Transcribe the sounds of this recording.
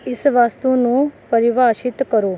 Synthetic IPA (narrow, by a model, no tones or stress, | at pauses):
ɪsʋaːst̪unũpəɾiʋaʃɪt̪kəɾoː